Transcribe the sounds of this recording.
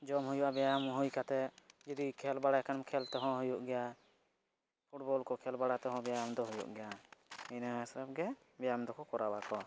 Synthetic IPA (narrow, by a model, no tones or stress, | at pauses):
d͡ʒɔmɦujuʔabɛjamɦujkat̪ɛd͡ʒɔd̪ikʰɛlbaɽajakanmkʰɛlt̪ɛɦɔ̃ɦujuʔɡɛja | pʰuʈ̚bɔlkɔkʰɛlbaɽat̪ɛɦɔ̃bɛjajamd̪ɔɦujṵʔɡɛjaɛnaɛsɾap̚ɡɛ | bɛjamd̪ɔkʰɔkɔɾabakɔ